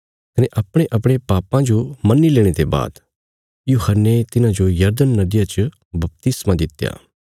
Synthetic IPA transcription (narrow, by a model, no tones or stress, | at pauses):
kɐneʔɐpɽ̃eʔɐpɽ̃epaːpãd͡ʒomɐnːileːɽ̃et̪eba̰ːd̪ | juːhənːet̪ɪnãd͡ʒojɐɾd̪ənːɐd̪ɪjat͡ʃ | bɐp̚t̪ɪsmãd̪ɪt̪ja̰ː